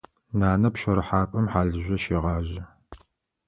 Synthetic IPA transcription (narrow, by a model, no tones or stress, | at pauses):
naːnɐpʃɐɾɨħaːpʼɐmħaːɮɨʑʷɔʃeːʁɑːʑɪ